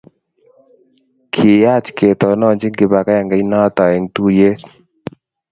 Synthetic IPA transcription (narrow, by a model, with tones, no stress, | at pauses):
kʰi˨ja˦t͡ʃke˨t̪ɔ˨nɔ˦˨nd͡ʒɪ˦ɡɪ˨ba˨ka˦ja˨ŋɡa˨˦na˦t̪a˨ɛ˨ŋt̪u˦je˦